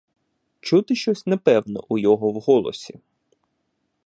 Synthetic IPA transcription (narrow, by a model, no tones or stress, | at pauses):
t͡ʃut̪ɪʃt͡ʃɔsʲnepɛwnɔ̰ʔʊjɔɦɔwɦɔlˠɔ̰sʲi